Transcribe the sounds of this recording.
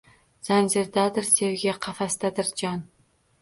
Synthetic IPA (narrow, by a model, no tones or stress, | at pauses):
z̥anzɪɾd̪ad̪ɪɾsewɡʲaqʰɑfast̪ad̪ɪɾd͡ʒɑn